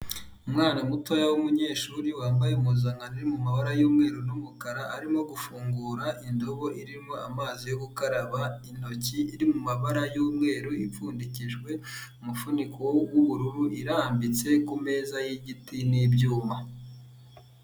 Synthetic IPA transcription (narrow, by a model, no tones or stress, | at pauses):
umŋaːnamutojawumuɲe̞ːʃuːɾiwaːmbajeumuzaŋɡaniɾimumaβaɾajuːmŋe̞ːɾunumukaɾaʔaɾimo̞ɡufuːŋɡuɾaʔindo̞βo̞ʔiɾimo̞amaːzijoɡukaɾaβain̥o̞ciːɾimumaβaɾajuːmŋe̞ːɾuip͡fuːndiciʒɡwe̞ | umufunikowuβuɾuɾuʔiɾambit͡se̞kume̞ːzajiɟitinibɟuːma